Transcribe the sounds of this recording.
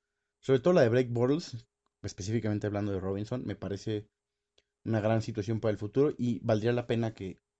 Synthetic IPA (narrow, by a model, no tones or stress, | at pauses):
so̞βɾet̪oð̞olaðe̞βɾejk̚boɾls | espe̞sifikament̪eaβland̪oð̞e̞ro̞βinso̞nme̞paɾe̞se̞ | unaɣɾansit̪wasjo̞mpaɾaelfut̪uɾo̞ʔiβald̪ɾialape̞nake̞